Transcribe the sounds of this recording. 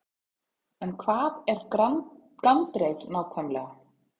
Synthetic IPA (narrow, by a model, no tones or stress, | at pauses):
ɛnkʰvaːðɛɾ̥ | kant̪ɾejðnaːwkʰœmlɛɣa